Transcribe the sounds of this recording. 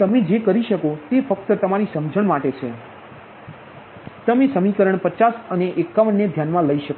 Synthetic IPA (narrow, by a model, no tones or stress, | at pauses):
t̪əmed͡ʒekəɾiʃəkot̪efək̚t̪ət̪əmaɾisəmd͡ʒʱəɳ̃maʈet͡ʃʰe | t̪əmesəmikəɾəɳ̃pət͡ʃasəneʔekːaʋəɳːed̪ʱjanmãləiʃək